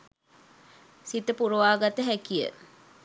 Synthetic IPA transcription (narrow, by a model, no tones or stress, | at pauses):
sit̪əpuɾuʋaːɡat̪əɦækijə̰